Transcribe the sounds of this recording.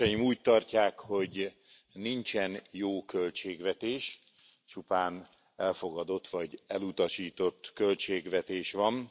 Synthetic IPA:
ɛjimuːc̚t̪ɒrcaːkho̞ɟ | nint͡ʃɛnjoːkølt͡ʃeːɡʋɛt̪eːʃ | t͡ʃupaːn | ɛlfo̞ɡɒd̪o̞t̪ːʋɒɟɛlut̪ɒʃiːt̪o̞t̪ːkø̞lt͡ʃeːɡʋɛt̪eːʃʋɒn

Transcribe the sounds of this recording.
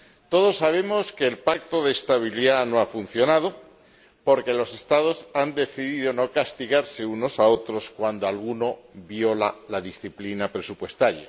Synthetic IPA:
t̪o̞ðo̞sːaβ̞e̞mo̞ske̞ːlpak̚t̪o̞ðeːst̪aβ̞iliðanoafunθjo̞nað̞o̞ | po̞ɾke̞lo̞se̞st̪að̞o̞sand̪e̞θiðiðono̞kast̪iɣaɾse̞uno̞sao̞t̪ɾo̞skwand̪oalɣ̞uno̞βjo̞lalaðisθiplinapɾesupwe̞st̪aɾja̰

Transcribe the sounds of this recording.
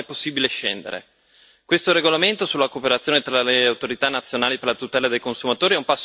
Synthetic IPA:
ɛpːosːiːbileʃḛnd̪ḛɾḛ | kwest̪oɾeɡolament̪osulːakoːpeɾat̪sːjoːnet̪ɾaleawt̪oɾit̪anat̪sːjonaːliperlat̪ut̪ɛːlad̪ejkonsumat̪oːɾiɛumpasː

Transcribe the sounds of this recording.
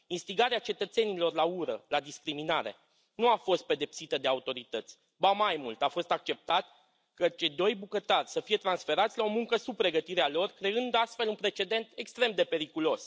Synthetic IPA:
inst̪iɡaɾeat͡ʃe̞t̪ət̪se̞nilo̞rlauɾə̰lad̪iskɾiminaɾe̞̰ | nuafo̞st̪̚pe̞d̪e̞psit̪əd̪e̞aut̪o̞ɾit̪ət̪sʲ | bamajmult̪afo̞st̪ak̚t͡ʃe̞p̚t̪at̪ | kət͡ʃejd̪o̞jbukət̪arʲsəfije̞t̪ɾansfe̞ɾat̪sʲlao̞muŋkəsub̚pɾe̞ɡət̪iɾealo̞rkɾe̞ɨnd̪ast̪fe̞lunpɾe̞t͡ʃe̞d̪e̞nt̪e̞kst̪ɾe̞md̪e̞pe̞ɾikulo̞s

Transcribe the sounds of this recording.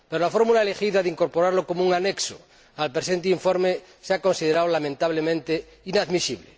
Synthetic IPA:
peɾolafoɾmulaelexiðaðeiŋkoɾpoɾaɾlokomouŋanekso̰ | alpɾesẽnt̪̬eiɱfoɾme | seako̞nsiðeɾawlamẽnt̪aβ̞lemẽnt̪e | inaðmisiβle

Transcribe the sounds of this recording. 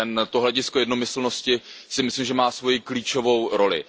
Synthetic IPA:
ɛnt̪oɦlɛɟɪsko̞jɛdno̞mɪsl̩no̞scɪsɪmɪslimʒɛmaːsvo̞jikliːt͡ʃo̞vo̞wɾo̞lɪ̰

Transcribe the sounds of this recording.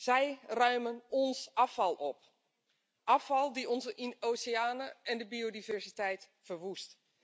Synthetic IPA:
z̥ɛjrœɥmənɔnsɑfɑlˠɔp | ʔɑfɑlˠdiɔnzəʔinoːseaːnəʔɛndəbiodivɛrsitɛjt | fərʋust

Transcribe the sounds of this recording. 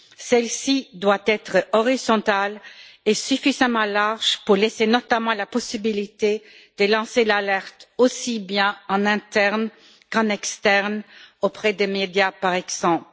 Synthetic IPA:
sɛlsid̪wat̪ɛt̪χəɔʁizɔ̃t̪alesyfizamɑ̃laʁʒ̥puʁlesenɔt̪amɑ̃lapɔsibilit̪e | d̪̥əlɑ̃selalɛʁt̪osibjɛ̃ɑ̃nɛ̃t̪ɛʁn | kɑ̃nɛkst̪ɛʁnopχɛd̪emed̪japaʁɛɡz̥ɑ̃pl

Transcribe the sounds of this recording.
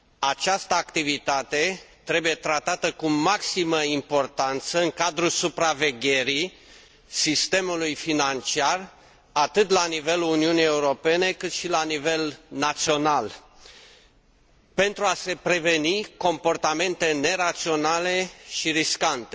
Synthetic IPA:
at͡ʃast̪əakt̪ivit̪at̪e̞t̪ɾe̞buje̞t̪ɾat̪at̪əkumaksiməimpo̞rt̪ant̪səɨŋkad̪ɾusupɾave̞ɡʲe̞ɾi | sist̪e̞mulujfinant͡ʃiar | at̪ɨt̪lanive̞luuniunije̞uɾo̞pe̞ne̞kɨt̪ʃilanive̞lnat̪sio̞nal | pe̞nt̪ɾuase̞pɾe̞ve̞niko̞mpo̞rt̪ame̞nt̪e̞ne̞ɾat̪sio̞nale̞ʃiɾiskant̪e

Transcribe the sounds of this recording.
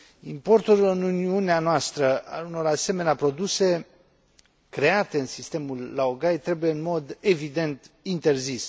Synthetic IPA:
impo̞rt̪ulɨnuniuneanoast̪ɾəaluno̞ɾase̞me̞neapɾo̞d̪use̞ | kɾe̞at̪e̞ɨnsist̪e̞mulːaoɡajt̪ɾe̞buje̞ɨnmo̞d̪e̞vid̪e̞nt̪ | int̪e̞rzis

